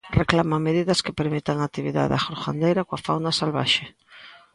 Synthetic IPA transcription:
reklamameð̞iðɐskepeɾmit̪aŋat̪iβiða̰ðaxoɾxa̰nd̪ejɾakwafawnasalβa̰ʃe

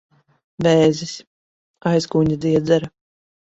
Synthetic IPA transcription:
bɛːzisʲ | ajskuːɲad̪iɛd̪zɛɾɐ

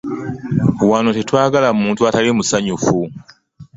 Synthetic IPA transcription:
wano̞te̞twaːɡalamuːntuatalimusaɲufu

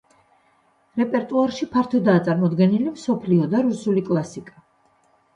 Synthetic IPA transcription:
ɾɛpʼɛɾt̪ʼuaɾʃipʰaɾt̪ʰɔd̪aːt̪sʼaɾmɔd̪ɡɛnilimsɔpʰliɔd̪aɾusulikʼlˠasikʼa

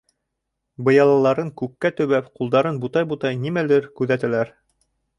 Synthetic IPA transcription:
bɤ̆jɑlˠɑlˠɑɾɤŋkʉkːæt̪ɵ̆βæpqulˠd̪ɑɾɤnbut̪ɑjbut̪ɑjnimælɘɾkʉðæt̪ælæɾ

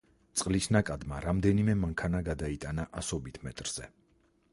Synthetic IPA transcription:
t̪sʼqʼlisnakʼad̪maɾamd̪ɛnimɛmaŋkʰanaɡad̪ait̪ʼanaʔasɔbit̪ʰmɛ̰t̪ʼɾz̥ɛ̰

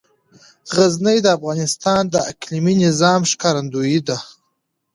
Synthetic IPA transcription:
ɣaznəjd̪əafɣɑːnɪst̪ɑnd̪əʔa̰kliminɪzɑːmʃkɑɾand̪ujid̪a

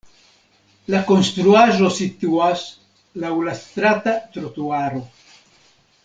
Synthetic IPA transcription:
lakonst̪ɾuaʒosit̪uas | lawlast̪ɾat̪at̪ɾot̪uaɾo

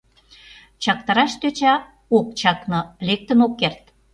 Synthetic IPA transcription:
t͡ɕɑk̚t̪ɑɾɑʃt̪øt͡ɕɑ | okt͡ɕɑknɤlek̚t̪ə̆nokːert̪

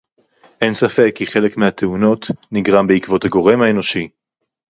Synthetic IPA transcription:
ʔe̞nsafe̞kːiχe̞le̞kmeat̪ʰe̞uno̞tniɡʁambeikvo̞thaɡo̞ʁe̞mhae̞no̞ʃi

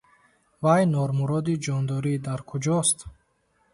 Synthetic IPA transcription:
vajnɔɾmuɾɔd̪id͡ʒɔnd̪ɔɾid̪aɾkʰud͡ʒɔst̪

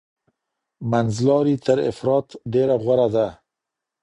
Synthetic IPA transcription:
manzlɑɾit̪əɾɪ̰fɾɑt̪d̪eɾaɣwaɾad̪a

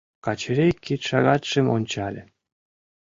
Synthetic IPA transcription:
kɑt͡ɕɘ̆ɾʲekʲːit̪ʃɑɣɑt̪ʂĕmonʲt͡ɕɑlʲĕ

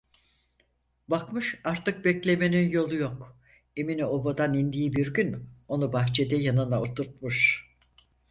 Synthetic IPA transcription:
bakmɯʃaɾt̪ʰɯk̚bɛclʲe̞me̞ninjo̞lˠujok | eminio̞bad̪anind̪ijibiɾɟyno̞nubaxt͡ʃʰe̞d̪ɛjanɯnaot̪ʰuɾt̪̚muʃ

